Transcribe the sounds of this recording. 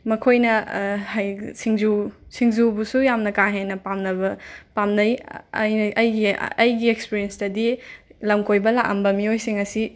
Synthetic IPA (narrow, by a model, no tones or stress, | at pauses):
mɐkʰojnɐhajsiŋzusiŋzubusujamnɐkaŋɦenɐpamnɐβɐpamnɐjɐ̰jnɐjɡiɐjɡiekspiɾienstɐdilɐmkʰojbɐlaʔɐ̰mbɐmiojsiŋɐsi